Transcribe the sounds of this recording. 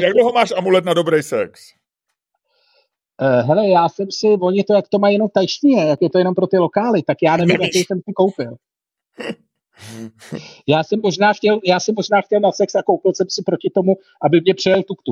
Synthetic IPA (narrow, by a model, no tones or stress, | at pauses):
jaɡdloɦomaːʃʔamulɛt̪nadobɾɛjsɛ̰ks | ɦɛlɛjaːsɛmsɪvoɲɪt̪o̞jakt̪o̞majːɛnomt̪ajʃɲijɛjakjɛt̪ojɛno̞mpɾo̞t̪ɪlo̞kaːlɪt̪akjaːnɛvimjakɛjsɛmsɪko̞wpɪl | jaːsɛmːoʒnaːxcɛljaːsɛmːoʒnaːxcɛlnasɛksakowpɪlsɛmsɪpɾo̞cɪt̪o̞mu | ʔabɪmɲɛpr̝̥ɛjɛlt̪ukt̪u